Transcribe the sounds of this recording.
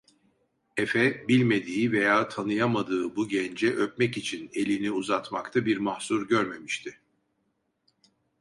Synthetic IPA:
efɛbilʲme̞d̪iːve̞jaːt̪ʰanɯjamad̪ɯːbuɟɛnd͡ʒɛʔøp̚mɛcit͡ʃʰine̞lʲiniuzat̪makt̪ʰabiɾmahsuɾɟøɾme̞miʃt̪ʰɪ

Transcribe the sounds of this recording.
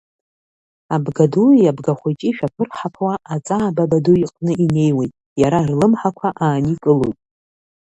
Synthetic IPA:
abɡadujabɡaχʷet͡ʃʼiʃᶣapʰɨrħapʰwaʔat͡sʼaːbabaduiqʼnɨʔine̞jwejtʼ | jaɾarlɨmħakʷʰaʔaːnikʼɨlojtʼ

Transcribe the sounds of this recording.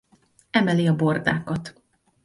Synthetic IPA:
ɛmɛliɒbo̞rd̪aːkɒt̪

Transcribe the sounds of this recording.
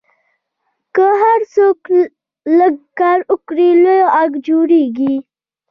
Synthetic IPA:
kəɦaɾsok | ləɡkɑɾʊkɽilojaɡd͡ʒoɾeɡi

